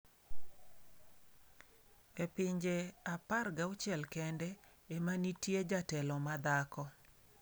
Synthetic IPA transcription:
epɪɲd͡ʒeaparɡaʊt͡ʃɛlkɛndɛemanitjed͡ʒatɛlɔmad̪akɔ

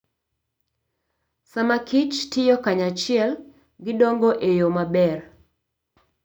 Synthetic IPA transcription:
samakit͡ʃtɪjɔkaɲat͡ʃɪɛl | ɡɪdɔŋɡoʔejomabɛr

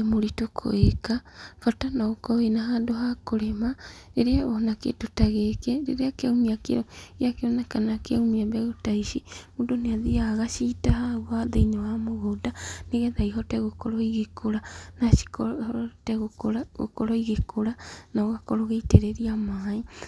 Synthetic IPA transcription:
emoɾitokʰo̰ekafɔtanaɣokɔwenaɦaːndoɦakoɾemaɾeɾeaɔnakḛtotaɣɛkɛɾḛɾeakaumiakḛojakeɔnakanakeaumiambɛɣotaiʃimuːdoneaðiaɣaʃitahauwaðeinewamoɣodaneɣɛðaiɦɔtɛɣokɔɾɔiɣekʰoɾanaʃi̥ktɛɣooɾaɣo̰kɔɾɔiɣekʰoɾanaoɣakɔɾoɣeiteɾeɾiamai

